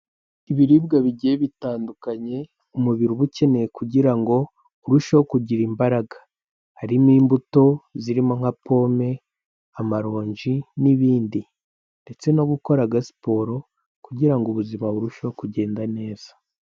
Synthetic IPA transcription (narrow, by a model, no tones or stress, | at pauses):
iβiɾibɡaβiɟijeβitaːndukaɲe̞ | umuβiɾuβuce̞ne̞jekuɟiɾaŋɡo̞ | uɾuʃokuɟiɾiːmbaɾaɡḁ | haɾimiːmbuto̞ziɾimo̞ŋ̥hapo̞ːme̞ | amaɾo̞ːɲʒiniβiːndi | nde̞t͡se̞no̞ɡuko̞ɾaɡasi̥po̞ːɾo̞ | kuɟiɾaŋɡuβuzimaβuɾuʃokuɟe̞ːndane̞ːz̥ḁ